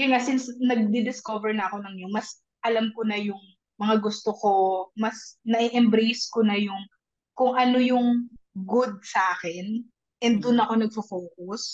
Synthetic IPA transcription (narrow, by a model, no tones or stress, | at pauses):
ɡɛŋasɪnsnɐɡ̚d̪id̪ɪskovɛɹnɐɐko̞nɐŋjomɐs | ʔɐlɐmkonɐjʊŋ | mɐŋaɡʊst̪oko̞mɐsnɐʔiʔɛmbɾejskonɐjʊŋ | kʊŋʔɐnojʊŋɡʊd̪̚sɐʔaːkɛn | ʔɛnd̪d̪ʊnɐko̞nɐɡ̚fofoːkʊs